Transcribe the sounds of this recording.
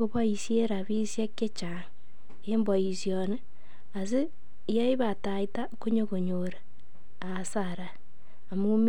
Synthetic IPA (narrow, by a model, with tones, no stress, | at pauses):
o˨βɔ˦i˨sje˦ɾa˨βi˦sja˦ke˦t͡ʃaŋ | e˦mbɔ˨i˨sjɔne˦ | a˨s̬i˦ | ja˦i˦βa˨ta˨i˦ta˦ko˦ɲo˦ko˨ɲo˨ɾe˨ | a˨saɾaː˨ | mu˦m